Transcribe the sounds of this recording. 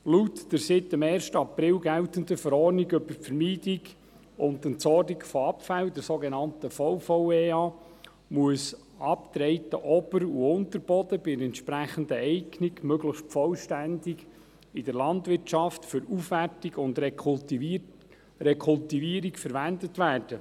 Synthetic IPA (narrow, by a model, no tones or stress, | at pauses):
lutd̥əɾsɪt̪ːəmɛːɾʃtəɑpɾɪlɡæltənd̪əfəɾɔrniɡɵbəɾfəɾmiːd̥ɪɡ | ʊnd̪əntsɔɾdiɡfɔɑpfældɛɾsoːɡɛnɑntəfɔwfɔweɑː | muəs | ʔɑpt̪ɾɛɪtəʔɔbəɾuʊnt̪əɾb̥ɔdəbɪɛntʃpɾæχənd̪əɛɪkniɡmøɡləxʃtfɔlʃtændɪɡ | ɪdəɾlɑntʋɪrtt͡ʃɑftfʏɾufʋærtiɡʊnd̪ | ɾɛkʰʊltiviəɾikfəɾʋændətʋæːrd̥ə